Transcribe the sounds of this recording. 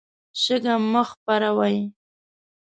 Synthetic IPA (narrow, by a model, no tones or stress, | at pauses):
ʃəɡaməxpaɾawaj